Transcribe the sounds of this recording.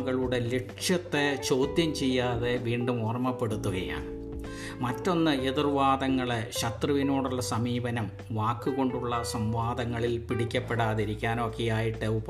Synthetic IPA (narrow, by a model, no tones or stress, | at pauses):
ɣɐɭuɽe̞leʈʂjɐt̪ːet͡ɕo̞ːd̪jɐmt͡ɕe̞jːaːðeʋiːɳɖumoːrɐmɐpːe̞ɽut̪ːuɣɐja̰ːɳ | mɐtːo̞nːɨeðurʋaːd̪ɐŋːɐɭeɕɐt̪rɨʋinoːɽuɭːɐsɐmiːbɐnɐm | ʋaːkːuɣo̞ɳɖuɭːɐsɐmʋaːd̪ɐŋːɐɭilpiɽikʲːɐpːe̞ɽaːðiɾikʲːaːnoːkːijaːjiʈːɨupː